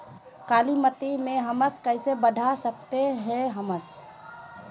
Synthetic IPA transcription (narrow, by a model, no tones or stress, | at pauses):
kalimət̪imẽɦəməskəɪsebəɖʱasək̚t̪eɦɛ̃ɦəməs